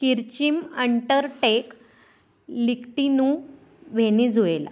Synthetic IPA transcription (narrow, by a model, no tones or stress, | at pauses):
kiɾt͡ɕiməɳʈəɾʈek | likʈinuː | ʋʱenid͡zʱuela̰